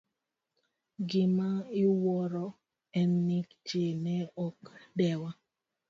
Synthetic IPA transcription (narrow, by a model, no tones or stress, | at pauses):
ɡɪmaɪwɔɾɔ | ɛnːikt͡ʃenɛɔkdɛwa